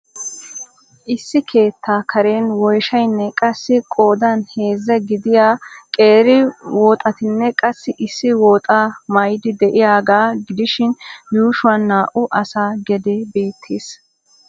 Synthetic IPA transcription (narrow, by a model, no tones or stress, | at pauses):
ʔɪsːɪkʰe̞ːt̪ʰːaːkʰɐɾe̞ːnwɔjʃɐjnːɛkʼɐsːɪkʼo̞ːd̪ɐnhe̞ːzːɐɡɪd̪ɪjaːkʼeːɾɪwɔːt̪ʼɐt̪ɪnːɛkʼɐsːɪʔɪsːɪwɔːt̪ʼaːmɐjd̪ɪd̪ɛʔɪjaːɡaːɡɪd̪ɪʃɪnjuːʃʊwɐnːaːʔʊʔɐsaːɡɛd̪ɛbe̞ːt̪ʰːeːs